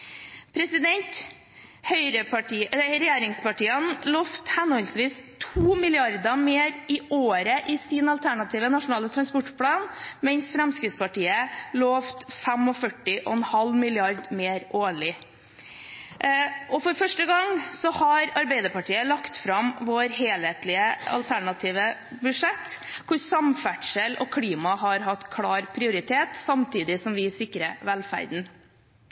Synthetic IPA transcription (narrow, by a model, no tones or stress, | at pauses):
pʰɾɛsɪd̪ɛnt̪ | hœʏɾəpɑʈiːɾɛjeːɾɪŋspɑʈiːənloːft̪hɛnɔlsʋiːst̪ʰuːmɪlɪɑɾd̪əmeːɾɪʔoːɾəʔɪsɪnɑlt̪ʰæɳɑt̪ʰiːʋənɑʂʊnɑːlət̪ʰɾɑnspɔʈpʰlɑːnmɛnsfɾɛmskɾɪt̪spɑʈiːəloːft̪fæmɔfœʈːɪʔɔ̰ɛnhɑlmɪlɪɑɾd̪meːɾʔoːɭɪ | ɔfɔɾfœʂʈəɡɑŋsɔhɑɾɑɾbeɪd̪əɾpɑʈʰiːəlɑkt̪fɾɑmʋoːɾɦeːlheːt̪lɪəɑ̰lt̪ʰæɳɑt̪ʰiːʋə | bʉʂɛt̪ːkʰʊsɑmfæʈʂəlʔɔ̰kʰɽiːmɑɦɑɾɦɑt̪ːkʰlɑːɾpʰɾɪʊɾɪt̪ʰeːt̪sɑmt̪ʰiːd̪ɪsɔmʋɪsɪkːɾəʋɛlfæ̰ɾd̪n̩